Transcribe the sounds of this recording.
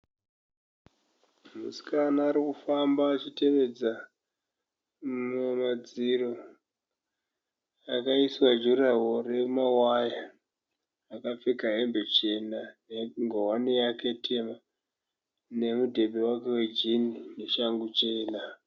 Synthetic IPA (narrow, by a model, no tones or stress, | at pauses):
musi̥kanaːɾikufambaːt͡ʃite̞ʋe̞d͡za | mumad͡ziro̞ | akaiswad͡ʒuɾawore̞mawajaː | kafikaɦe̞mbe̞t͡ʃe̞naneŋɡowanijake̞tʰema | ne̞mudʱe̞bʱe̞wake̞we̞d͡ʒinine̞ʃaŋɡut͡ʃe̞ːna